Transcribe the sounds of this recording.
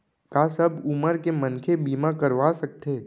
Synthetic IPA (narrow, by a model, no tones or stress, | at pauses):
kaːsɐbuməɾkemənkʰebiːmakəɾʋasɐk̚t̪eː